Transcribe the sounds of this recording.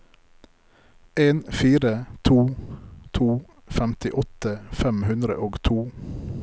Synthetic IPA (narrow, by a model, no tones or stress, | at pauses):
eːnfiːɾət̪ʰuːt̪ʰuː | fɛmt̪ɪʔɔt̪əfɛmhʉnd̪ɾə̰ʔoːɡt̪ʰuː